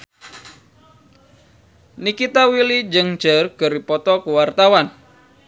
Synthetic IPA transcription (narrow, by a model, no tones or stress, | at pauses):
nikit̪awilid͡ʒɨŋd͡ʒərɡ̥əɾipɔt̪ɔkuwart̪awan